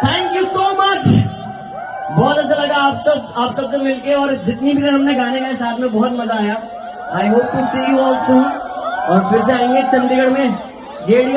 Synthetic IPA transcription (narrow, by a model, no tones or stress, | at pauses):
t̪ʰæ̃ːŋkjusoːmɐt͡ʃ | bɔːt̪ɐt͡ʃʰalɐɡaːpsɐb̚aːpsɐbsemɪlkeɔːɾd͡ʒɪt̪nibʱit̪ɐɦɐmneɡʱaːnemẽsaːt̪ʰmẽbɔːɔt̪mɐzaːja | aːɪɦoːp̚kʊt͡ʃʰseiɔːlsõːɔːɾpʰɪɾs̬eaːɪ̃ŋɡekt͡ʃɐ̃nd̪ɪɡəɽmẽ | ɖeːɽi